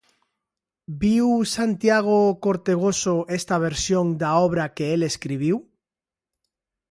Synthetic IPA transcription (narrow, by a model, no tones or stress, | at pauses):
biwsant̪jaɣ̞okoɾt̪eɣ̞osoest̪aβ̞eɾsjoŋd̪aoβɾakeeleskɾiβ̞iw